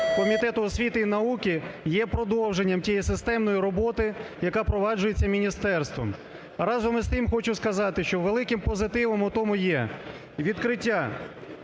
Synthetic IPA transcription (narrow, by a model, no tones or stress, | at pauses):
kɔmʲit̪ɛt̪ʊɔsʲʋʲit̪ɪinɐukʲɪjɛpɾɔd̪ɔwʒenʲːɐmtʲijisɪst̪ɛmnɔjiɾɔbɔt̪ɪjɐkɑpɾɔʋɑd͡ʒʊjet͡sʲːɐmʲinʲist̪ɛrst̪ʋɔ̰m | ɾɑzɔmɪst̪ɪmxɔt͡ʃʊskɐzɑt̪ɪʃt͡ʃɔʋelˠɪkɪmpɔzɪt̪ɪʋɔmʊt̪ɔmʊjɛ | ʋʲid̪kɾɪtʲːa